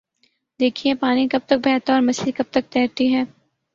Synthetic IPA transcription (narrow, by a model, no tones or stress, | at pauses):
d̪eːkʰiepaːnikɐb̚t̪ɐk̚bʱɛːt̪ɔːɾmɐsikɐb̚t̪ɐk̚t̪ɛːɾʈ̪iɦɛː